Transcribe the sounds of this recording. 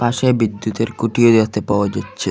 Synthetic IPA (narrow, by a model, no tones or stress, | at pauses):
paʃebid̪ːut̪eɾkuʈiod̪at̪epaoad͡ʑetːɕʰe